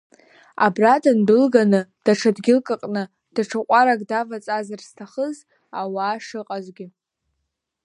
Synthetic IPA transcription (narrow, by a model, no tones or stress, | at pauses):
a̰bradʰandɨlɡanɨd̥aʈ͡ʂʰadɡʲɪlkʼɨqʼnɨ | d̥aʈ͡ʂʰaqʷʼaɾaɡʼdavat͡sʼazarstʰaχəz | awaːʂɨqʼazɡʲɪ